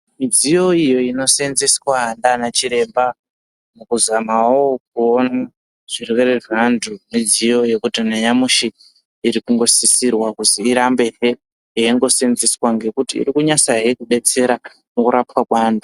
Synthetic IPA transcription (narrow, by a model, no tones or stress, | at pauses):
mid͡zijo̞ijo̞ino̞senziswandanat͡ʃiɾe̞mba | mukuzamawok̚uona | ʐ̥irwe̞reʐandumid͡zijo̞je̞kutineɲamuʃiː | ɾikuŋɡo̞sisirwakusiːɾambe̞ɦe | ɦeeŋɡo̞senziswaŋɡe̞kutḭːrikuɲasaɦeekuɓe̞t͡se̞ɾa | mukuɾapwakwaːndu